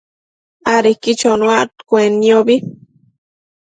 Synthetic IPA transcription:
aɾikit͡ʃonwat̪kʷeniobi

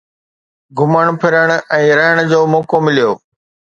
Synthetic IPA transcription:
ɡʱʊməɽ̃pʰɪɾəɽ̃ɛ̃ːɾəɦəɽ̃d͡ʑoːmɔːkomɪlijoː

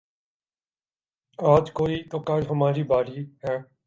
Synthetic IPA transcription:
aːd͡ʒkoːiːt̪oːkaːɾɦəmaːɾiːbaːɾiːɦɛː

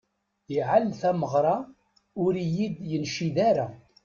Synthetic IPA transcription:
jiʕalθæməʁɾˤɑ | ʊɾijid̪jənʃiðæɾa

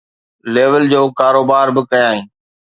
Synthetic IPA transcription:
leːʋəld͡ʑoːkaːɾoːbaːɾbɪkɐjãːɦĩː

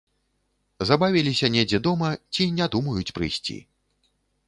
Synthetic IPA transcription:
zabavʲilʲisʲɐnʲed͡zʲɛd̪ɔmɐt͡sʲinʲad̪umɐjut͡sʲpɾɨjsʲt͡sʲḭ

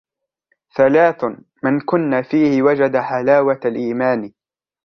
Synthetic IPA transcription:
θalaːθ | mɪnkʊnːafiːhɪwad͡ʒad̪aħalaːwalʔiːmaːn

